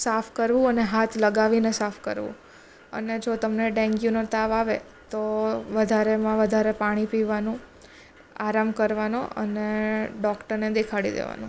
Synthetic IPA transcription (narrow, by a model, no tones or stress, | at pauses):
sapʰkəɾʋũəneɦat̪ʰləɡaʋinesafʰkəɾʋṵ̃ | ə̰ned͡ʒot̪əmneɖɛ̃ŋɡjunəɾt̪aʋaʋe | t̪oʋəd̪ʱaɾemãʋəd̪ʱaɾepaɽ̃ipiʋanũ | aɾamkəɾʋanõʔə̰neɖɔkʈəɾned̪ekʰaɽḭd̪ḛʋa̰nũ